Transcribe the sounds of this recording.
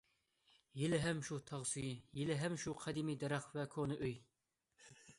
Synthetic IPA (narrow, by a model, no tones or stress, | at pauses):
jilɪɦɛmʃut̪ʰɑʁsujijilɪɦɛmʃuqʰɑd̪imid̪ɛɾæχvɛkʰonɨʔøj